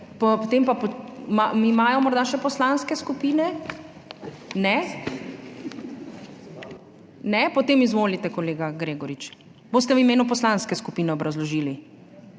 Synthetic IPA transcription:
pɔpɔt̪empapɔmamimaːjɔmɔɾd̪aʃɛpɔslanskɛskupiːnɛ | nɛ | nɛpɔt̪eːmizʋoːlit̪ɛkɔleːɡaɡɾeːɡɔɾit͡ʃ | boːs̬t̪ɛʋimeːnup̬ɔslanskɛskupiːnɛɔbɾɐzlɔʒiːli

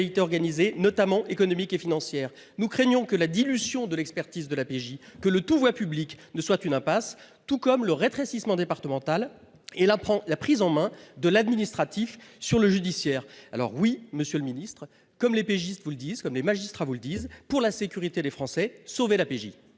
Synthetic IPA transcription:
lit̪eɔʁɡanizenɔt̪amɑ̃ʔekɔnɔmikefinɑ̃sjɛːʁ | nukχɛɲjɔ̃kəlad̪ilyzjɔ̃d̪əlɛkspɛʁt̪izd̪əlapeʒikələt̪uvwapybliknəswat̪ynɛ̃pas | t̪ukɔmləʁet̪χesismɑ̃d̪epaʁt̪əmɑ̃t̪al | elãlapχizɑ̃mɛ̃d̪əlad̪minist̪χat̪ifsyʁləʒyd̪isjɛːʁa̰lɔ̰ʁwiməsjøləminist̪χ | kɔmlepeʒist̪vuləd̪izkɔmlemaʒist̪χavuləd̪izpuʁlasekʲyʁit̪ed̪efχɑ̃sɛsovelapeʒḭ

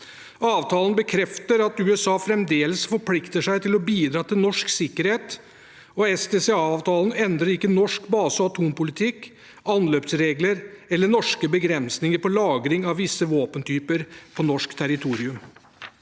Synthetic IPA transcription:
ɑːʋt̪ʰɑːlənbəkʰɾɛft̪əɾɑt̪ʉːɛsɑːfɾɛmd̪eːləsfɔɾpʰlɪkt̪əʂæɪt̪ɪlɔbiːd̪ɾɑːt̪ɪlnɔʂksɪkːəɾheːt̪ | ɔɛsd̪eːseɑːʋt̪ʰɑːlənɛnd̪ɾəɾɪkːənɔʂkbɑːsəɔɑt̪ʰuːmpʊlɪt̪ʰɪkː | ɑnløːpsɾeːɡləɾɛlːəɳɔʂkəbəɡɾɛnsnɪŋəɾpɔlɑːɡɾɪŋɑʋʋɪsːəʋoːpənt̪ʰyːpəɾpʰɔnɔʂkt̪ʰæɾɪt̪ʰuːɾɪʉm

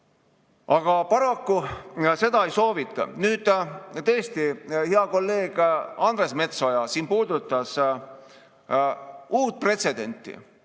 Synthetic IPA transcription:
ʔɑɡ̥ɑpɑɾɑkːuse̞d̪̥ɑejso̞ːvit̪ːˑɑ̰nyːd̪̥t̪ɤest̪iheɑko̞lːe̞ːɡ̥ɑnd̪ɾe̞sme̞t̪so̞jɑsiːnpuːd̪ut̪ːˑɑs | uːt̪̚pre̞t̪se̞d̪̥e̞nʲt̪ːˑḭ

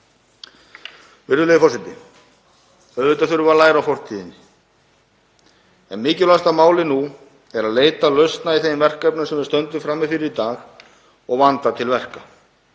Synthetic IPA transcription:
vɪɾðʏlejɪfɔsɛt̪ɪ̰ | œðvɪt̪aθʏɾʏvalaːjɾawfɔr̥t̪ʰiːðɪnːɪ | ɛnmɪːcʏlast̪amaːwlɪnu | ɛɾaðleːjt̪alœɥst̪naiθejvɛr̥kapnʏnsɛmvɪɾst̪œnt̪ʏmfɾamːɪfɪɾɪɾit̪aːx | ɔɣvant̪at̪ʰɪlvɛr̥ka

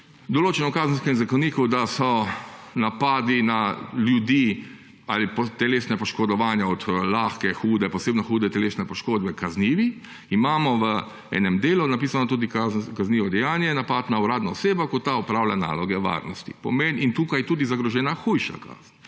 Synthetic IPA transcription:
d̪ɔloːt͡ʃɛnɔkaːzn̩skɛmzakɔniːkud̪asɔnapaːd̪inaljud̪i | a̰ːlipɔt̪ɛleːsnɛpɔʃkɔd̪ɔʋaːnjaɔt̪laːxkɛxuːd̪ɛpɔseːbnɔxuːd̪ɛt̪ɛleːsnɛpɔʃkoːd̪bɛkazniːʋi | imaːmɔʋə | ɛ̰ːnɛmd̪eːlunapiːsanɔt̪uːd̪ikakazniːʋɔd̪ɛjaːnjɛnapat̪nauɾaːd̪naɔseːbakɔt̪ːaɔpɾaːwlʲa̰na̰ːlɔɡɛʋa̰ɾnɔst̪ipɔ̰menint̪uːkajɛt̪uːd̪izaɡɾɔʒɛːnaxujʃa̰ka̰ːz̥n

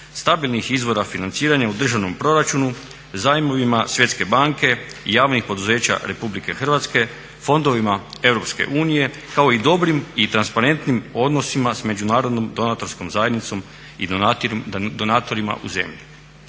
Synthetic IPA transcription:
st̪abilˠnixizʋo̞ɾafinant̪siːɾaɲaud̪r̩ʒaʋno̞mpɾo̞ɾat͡ʃunu | zaimo̞ʋimasje̞t̪ske̞baŋke̞ijaːʋnixpo̞d̪uze̞ːt͡ɕa̰ɾe̞publike̞xr̩ʋat̪ske̞ | fo̞nd̪o̞ʋimae̞ʋɾo̞pske̞̰ʔuːnije̞ | kao̞id̪o̞bɾimit̪ɾanspaɾe̞nt̪nimo̞d̪no̞simasme̞d͡ʑunaːɾod̪no̞md̪o̞nat̪o̞ɾsko̞mzajed̪nit̪so̞m | i | d̪onaːt̪o̞ɾima̰ʔṵze̞̰mʎi

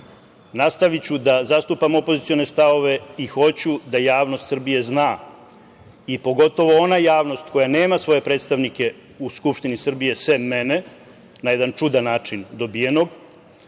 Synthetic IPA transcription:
nast̪aʋit͡ɕud̪azast̪upamo̞po̞zit̪sijo̞ne̞st̪aʋo̞ʋe̞ixo̞t͡ɕud̪ajaːʋno̞st̪sr̩bije̞znaː | ipo̞ɡo̞t̪o̞ʋoo̞najaːʋno̞st̪ko̞jane̞ːmasʋo̞je̞pɾet̪st̪aʋnike̞ | uskupʃt̪inisr̩bije̞sʋe̞me̞ne̞ | naje̞d̪ant͡ʂud̪anaːt͡ʂind̪o̞bije̞no̞ɡ

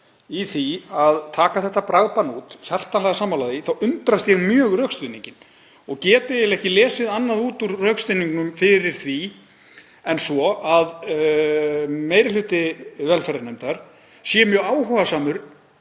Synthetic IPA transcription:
iθiaðt̪ʰaːkaθɛht̪ːapɾaɣpanut̪çar̥t̪anlɛɣasaːmalaːðɪθawʔʏnt̪ɾast̪jɛɣmjœːɣrœkst̪ʏniɲcɪn | ɔɣcɛːt̪ɪɛlɛhcɪlɛːsɪðanːaðuːt̪uɾrœkst̪ʏniŋknʏmfɪɾɪɾ̥θvi | ɛnsɔað | meːjɾɪlʏːt̪ɪvɛlfɛɾaɾnemt̪aɾ̥ | sjɛmjœːɣaːwɦuɣasaːmʏɾ

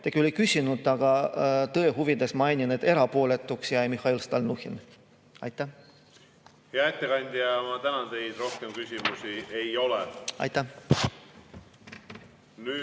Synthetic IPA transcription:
t̪ekylːekysʲinud̪ˑɑɡ̥ɑt̪ɤeɦuvid̪̥esmɑjnʲined̪̥e̞ɾɑpo̞ːle̞t̪ːˑuksjɑemihɑilst̪ɑlnuhḭn | ɑ̰jt̪ːˑæ | heɑet̪ːekɑnʲd̪̥ʲijɑmɑt̪ænɑnt̪e̞jd̪ro̞hkemkysʲimusiejo̞lɛɑ̰jt̪ːˑæh | nyː

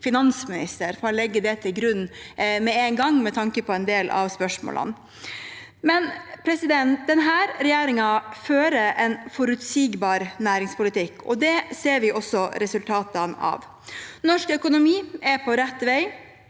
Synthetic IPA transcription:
fɪnɑnsmɪnɪ̰st̪əɾfɔɾɔlɛɡːəd̪ɛt̪ʰɪlɡɾʉnːmɛɛnɡɑŋmɛt̪ʰɑŋkəpɔɛnd̪eːlʔɑ̰ʋspœʂmo̰ːlʔə̰n | mɛnpʰɾɛsɪd̪ɛnt̪̚d̪ɛnɦæːɾɾɛjeːɾɪŋɑføːɾəʔɛnfɔɾʉt̪siːɡbɑːɾnæːɾɪŋspʊlɪt̪ʰɪkʰːɔ̰d̪ɛseːɾʋɪʔɔsːɔɾɛsʉlt̪ʰɑːt̪ɑnɑ̰ʋ | nɔʂkœkʊnʊmiːɛpʰɔɾɛt̪ːʋæɪ

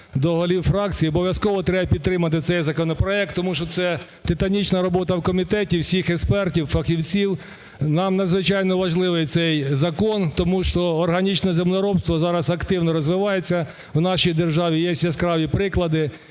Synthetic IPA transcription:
d̪ɔɦɔlʲiwfɾɑk̚t͡sʲijiɔbɔʋʲjɐskɔʋɔt̪ɾɛbɐpʲid̪t̪ːɾɪmɐt̪̬ɪt̪sɛjzɐkɔnɔpɾɔɛk̚t̪ːɔmuʃt͡ʃɔt̪sɛ | t̪ɪt̪ɐnʲit͡ʃnɐɾɔbɔt̪ɐwkɔmʲit̪ɛtʲiwsʲixekspɛrtʲiwfɐxʲiwt͡sʲiw | nɑmnɐd̪zʋɪt͡ʃɑjnɔʋɐʒlˠɪʋɪjt̪sɛjzɐkɔnt̪ɔmuʃt͡ʃɔːrɦɐnʲit͡ʃnɛzemlɔɾɔbst̪ʋɔzɑɾɐsɐkt̪ɪwnɔɾɔzʋɪʋɑjet͡sʲːɐ | wnɑʃijd̪erʒɑʋʲijɛsʲɛskɾɑʋʲipɾɪklˠɐd̪ɪ

